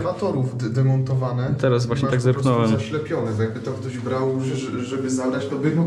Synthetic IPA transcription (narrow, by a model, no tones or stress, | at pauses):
vat̪ɔɾuvd̪ɛmɔnt̪ɔvanɛt̪ɛɾasvwaɕɲɛt̪aɡzɛɾknɔwɛmaɕlɛpʲjɔnɛt̪ɔjaɡ̚bɘt̪ɔk̚t̪ɔʑbɾawuɛʐɛbɘzad̪ɾat͡ɕt̪ɔbɘmɔ